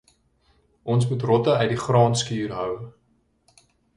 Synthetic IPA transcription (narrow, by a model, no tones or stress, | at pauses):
ʔɔns̬mutrɔtəœjdiχrɑːnskyːrɦœw